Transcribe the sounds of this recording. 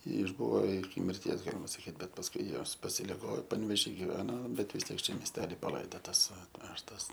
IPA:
ɪʒˈbʊʋoː ɪkʲɪ mʲɪrʲˈtʲiɛs ˈɡɑːlʲɪmɐ sɐˈkʲiːt ˈbʲɛt pɐsˈkʊɪ ˈjoːs pɐsʲɪlʲɪˈɡoː pɐnʲʋʲeːˈʒʲiː ɡʲɪˈʋʲæːnoː ˈbʲɛt ʋʲɪs ˈtʲiɛk ˈt͡ʃʲɛ mʲiɛsʲˈtʲæːlʲɪ pɐˈlˠɐɪdoːtɐs ɐtʲˈʋʲæːʃtɐs

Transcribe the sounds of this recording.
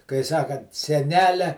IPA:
kɐɪ ˈsɑːkɐnt sʲɛˈnʲæːlʲɛ

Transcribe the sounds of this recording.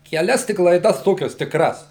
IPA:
kʲɛˈlʲɛs ˈtʲɪk lˠɐɪˈdɐs ˈtoːkʲɛs tʲɪkˈrɐs

